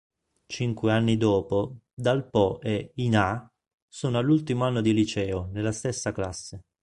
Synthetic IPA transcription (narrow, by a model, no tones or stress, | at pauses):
t͡ʃiŋkweanːid̪ɔːpo | d̪alpɔʔeina | soːnoalːult̪imoanːod̪ilit͡ʃɛːonelːast̪esːaklasːe